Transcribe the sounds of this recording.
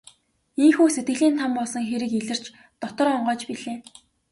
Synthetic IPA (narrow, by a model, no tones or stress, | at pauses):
iŋxuːset̪̚ɡɘ̆ɮiːnt̪ʰampɔɮsɞ̆ŋxeɾɘ̆kiɮɘ̆r̥t͡ɕ | t̪ɔt̪ɞ̆rɔɴɢœːt͡ɕpiɮeː